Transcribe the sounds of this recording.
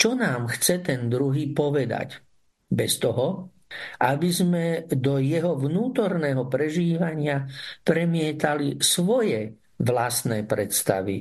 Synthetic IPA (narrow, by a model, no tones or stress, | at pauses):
t͡ʃɔnaːmxt͡sɛt̪ɛnd̪ɾuɦiːpɔʋɛd̪a̰c | bɛst̪ɔɦɔ | ʔabizmɛd̪ɔjɛɦɔʋnuːt̪ɔɾnɛɦɔpɾɛʒiːʋaɲɪapɾɛmɪɛt̪alisʋɔjɛ | ʋlast̪nɛpɾɛt̪st̪a̰ʋḭ